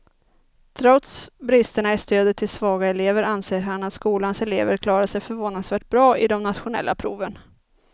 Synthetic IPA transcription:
t̪ʰɾɔt̪sbɾɪst̪əɳaɪst̪øːd̪ət̪ʰːɪlsvɑːɡaɛleːvəɾanseːɾɦanat̪skuːlansɛleːvəɾkʰlɑːɾaʂɛjfœɾvoːnad̪svæːʈ̚bɾɑːɪd̪ɔmnat̪ɧʊnɛ̰lːʔa̰pʰɾṵːvən

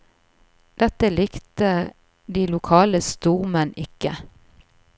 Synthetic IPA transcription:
d̪̥ɛt̪əlɪkt̪ə | d̪iːlʊkʰɑːləst̪uːʁmənɪkə

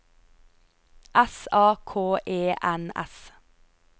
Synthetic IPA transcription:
ʔɛsɑːkʰoːʔeːʔænɛ̰s

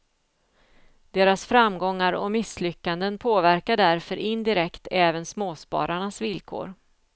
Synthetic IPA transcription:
d̪̥eːɾasfɾamɡɔŋːaɾɔ̰mɪslʏkːand̪ənpʰoːvæɾkaɖæɾfœɾʔɪnd̪ɪɾɛkt̪ʰɛːvənsmoːspɑ̰ːɾaɳasvɪlkʰo̰ːɾ

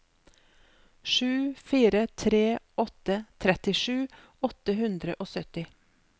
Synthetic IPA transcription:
ʃʉːfiːɾət̪ʰɾeː | ɔt̪ət̪ʰɾɛt̪ɪʃʉː | ɔt̪əhʉnd̪ɾəʔoːsœt̪ɪ

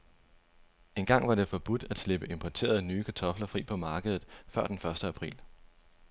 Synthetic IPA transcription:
e̝nɡ̥ɑ̈ŋ̰ʋɑ̈ɾ̥e̝fɒ̽b̥ud̥æd̥sle̝b̥əe̝mpʰɒt͡sʰe̝̰ːɐð̞̩ˠnyːkʰæt͡sʰɒ̽flɐfʁḭːpʰɒ̽mɑ̈ːɡ̥əð̞ˠð̩ˠfɶɐ̰d̥enfɶɐsd̥əæpʰʁḭːl

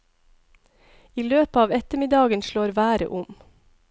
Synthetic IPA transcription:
iːløːpəɑːʋɛt̪əmɪd̪ɑːɡənʃloːɾʋæːɾə̰ʔʊm

